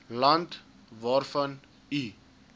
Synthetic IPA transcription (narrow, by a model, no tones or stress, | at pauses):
lɐnt | vaːrfɐn | i